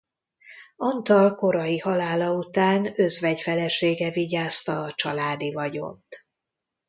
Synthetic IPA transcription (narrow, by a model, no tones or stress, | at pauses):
ɒnt̪ɒlko̞ɾɒjihɒlaːlɒut̪aːnøzvɛɟfɛlɛʃeːɡɛviɟaːst̪ɒːt͡ʃɒlaːd̪ivɒɟo̞̰t̪ː